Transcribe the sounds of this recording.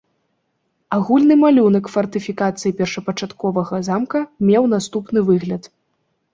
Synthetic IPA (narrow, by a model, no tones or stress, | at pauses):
aɣulʲnɨmalʲunɐkfɐrt̪ɨfʲikat̪sɨjipʲɛrʂɐpɐt͡ʂat̪kɔvɐɣɐzamkɐmʲɛwn̪ast̪upnɨvɨɣlʲɐt̪